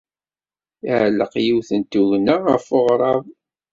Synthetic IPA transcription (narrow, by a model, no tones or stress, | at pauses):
ɪʕləqjiwθənt̪uʝnaʁəfoʁɾˤɑv